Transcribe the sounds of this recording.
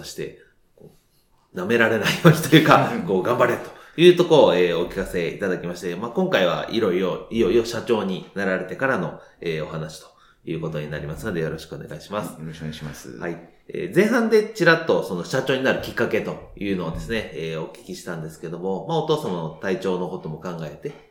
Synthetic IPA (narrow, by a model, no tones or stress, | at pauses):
soɕi̥t̪e̞̰ | koː | name̞ɾaɾe̞naijo̞ːɲ̟i̥t̪ojɯ̟ːkako̞ːɡãmbaɾeɾɯ̟t̪o̞̥jɯ̟ːt̪o̞ko̞ɾoeːo̞kʲi̥kase̞ḭt̪ad̪akʲimaɕi̥t̪emaːkõ̞ŋkaiβ̞a̰ḭɾo̞iɾoijo̞io̞ɕat͡ɕo̞ːɲ̟inaɾaɾe̞t̪e̞kaɾano̞eːo̞hanaɕi̥t̪o̥ | jɯ̟̰ːko̞t̪o̞ɲ̟inaɾʲimasɨno̞d̪e̞jo̞ɾo̞ɕi̥kɯo̞̰ne̞ɡa̰iɕimasɨ̥ | hai | ḛːzẽ̞ɰ̃ɦãnd̪e̞t͡ɕiɾat̪ːo̞so̞no̞ɕat͡ɕo̞ːɲinaɾɯ̟kʲikːake̞t̪o̞jɯ̟ːno̞ːd̪e̞sɨne̞eːo̞kʲi̥kʲiɕi̥t̪ãnd̪e̞sɨ̥ke̞d̪o̞mo̞mao̞t̪o̞ːsamaot̪ait͡ɕo̞ːno̞kot̪o̞mo̞kãŋɡae̞t̪e̞